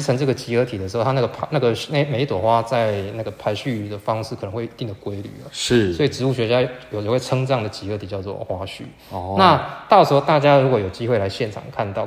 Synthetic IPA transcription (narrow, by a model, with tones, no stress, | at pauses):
ʈ͡ʂʰə˧˦ŋʈ͡ʂɤ˥˩ɡə˩t͡ɕi˧˥ə˧˥t̪ʰi˨d̪ə˩ʂɻ̩˧˥˩t̪ʰa˥n˥˩ɡə˩pʰna˥˩ɡə˩na˥˩me˨˧˥i˥t̪wɔ˨˩xwa˥t͡sa˥˧ɪna˥˩ɡə˩pʰa˧˥ɪɕy˥˧d̪ə˩fɑ˦ŋʂɻ̩˥˩k̪ʰə˧˦ŋwi˧t̪i˥˩ŋd̪ə˩kwe˥ɪly̰˨˩lə̰˩˦ʂ̩˥˩swɔ˧˥i˨˩ʈ͡ʂɻ̩˧˥u˥˩ɕɥɛ˧˥t͡ɕja˥jjo˨˩ʊ˨˧˩we˥˩ɪʈ͡ʂʰɤ˦˥ŋʈ͡ʂɑ˥˩ŋd̪ə˩t͡ɕi˧˥ə˧˥t̪ʰi˨˩t͡ɕjɑ˥˧ʊt͡swɔ̰˥˩xwa˥ɕy̰˥˨ | na˥˧t̪ɑ˥˩ʊʂ̩˧˥xo˥˧ʊt̪a˥˩t͡ɕja˥ɻu˧˥kwɔ˧˩˥jo˨˩t͡ɕi˥xwe˥˩ɪla˧˦ɪɕjɛ˥˩nʈ͡ʂʰɑ̰˨˩ŋkʰa˥˧nt̪ɑ˥˩ʊ